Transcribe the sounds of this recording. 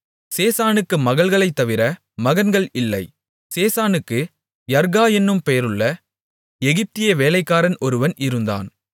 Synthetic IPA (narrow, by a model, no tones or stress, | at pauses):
seːsaːnɯkːɯmɐɣɐɭɣɐɭɐɪt̪ːɐʋɪɾɐ | mɐɣɐnɡɐɭɪlːɐɪ | seːsaːnɯkːɯ | jɐɾɣaːjɛnːɯmpejɐɾɯɭːɐ | ɛɣɪp̚t̪ɪjeʋeːlɐɪkːaːɾɐnʔɔɾɯʋɐnɪɾɯnd̪a̰ːn